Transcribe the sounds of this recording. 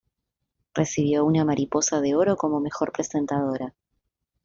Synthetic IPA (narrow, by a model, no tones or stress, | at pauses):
resiβ̞jo̞unamaɾʔipo̞sað̞e̞o̞ɾo̞ko̞mo̞me̞xo̞ɾpɾe̞se̞nt̪að̞o̞ɾa